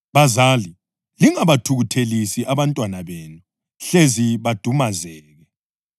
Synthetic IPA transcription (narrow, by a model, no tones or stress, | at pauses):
βazali | liŋaβatʰuɣutʰelisiʔaβantʼwanaβeːnu | ɬeziβad̥ʱumazɛːɣɛ